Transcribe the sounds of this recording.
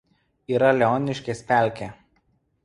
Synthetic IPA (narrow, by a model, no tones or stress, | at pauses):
iːɾɐlʲɛɔːnʲɪʃʲkʲesʲpʲæˑlʲkʲeː